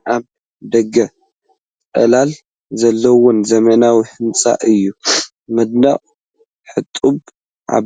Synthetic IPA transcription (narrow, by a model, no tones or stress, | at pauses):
ʔaβ | d̪ɐɡɐ | ɐ̰lal | zɐlːɐwɔnzɐmɐnawihɨnt͡sʼa̰ʔɨjːu | mɨd̪̚naχʼ | ħɨt̪ʼub | ʕa̰